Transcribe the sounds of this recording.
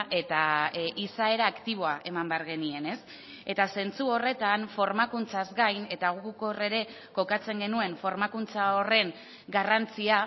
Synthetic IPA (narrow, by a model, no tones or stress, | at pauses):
ʔe̞t̪aʔisae̞ɾaːkt̪iβ̞o̞aʔe̞mambeaɾɣe̞nie̞ne̞s | e̞t̪ase̞nt͡suo̞re̞t̪anfo̞ɾmakunt͡sazɡajne̞t̪aɣuko̞re̞ɾe̞ | ko̞kat͡se̞ŋɡe̞nue̞ɱfo̞ɾmakunt͡sao̞re̞ŋ | ɡarant͡sia